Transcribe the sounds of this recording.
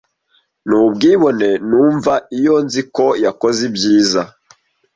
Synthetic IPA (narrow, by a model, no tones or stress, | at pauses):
nubɡiːβo̞ne̞nuːɱvaijonziko̞jakozibjiːza